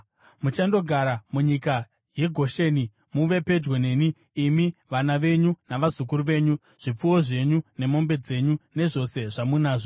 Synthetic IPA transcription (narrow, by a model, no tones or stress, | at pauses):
mut͡ʃando̞ɡʱaɾamuɲika | je̞ɡʱo̞ʃe̞ːni | muʋe̞pe̞d͡ʒwene̞ːniː | miʋanaʋe̞ɲunaʋazuk̬uɾuʋe̞ːɲu | ʐ̥ip͡fuwo̞ʐe̞ɲune̞mo̞mbe̞d͡ze̞ɲune̞ʐo̞se̞ʐamunaːʐo